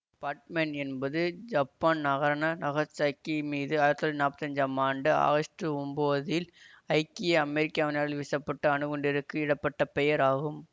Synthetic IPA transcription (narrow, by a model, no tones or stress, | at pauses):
paːɾʈmɛɳɛnbɐðɯd͡ʒɐpːaːnnɐɣɐɾɐɳɐnɐɣɐt͡ʃɐkːimiːðɯaːɾɐt̪ːnaːpːɐt̪ːɐɲd͡ʒaːmaːɳɖɯa̰ːɣɐʂʈɾɯʊmboːðɪl | ɐɪkːɪjɐɐmɛɾɪkːaːʋɐnaːɽɪlʋɪsɐpːɐʈːɐɐnɯɣɔɳɖɪɾɯkːɯɪɽɐpːɐʈːɐpɛjɐɾaːɣɯm